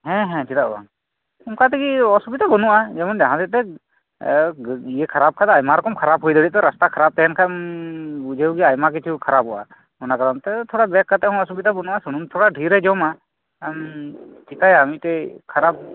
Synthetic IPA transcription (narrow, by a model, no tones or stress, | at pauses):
ɦɛ̃ɦɛ̃t͡ʃit̪aʔa̰ | umkat̪ɛkiɔsubit̪abɔnuʔad͡ʒɛmɔndaɦãt̪ɛt̪ɛ | ijekʰaɾab̚kʰat̪ajmaɾɔkɔmkʰaɾab̚ɦujd̪ɔɽiʔ̚t̪ɔɾast̪akʰaɾab̚t̪ɛɦɛnkʰam | ud͡ʒewɡiajmak̬it͡ʃʰukʰaɾabɔʔa̰ | mɔnakaɾɔmt̪ɛt̪ʰɔɽabɛkːat̪ɛhɔ̃ɔsubit̪abɔnuʔasunumt̪ʰɔɽaɖʱiɾɛd͡ʒɔma | mt͡ʃikajamiʔt̪ɛkʰaɾab̚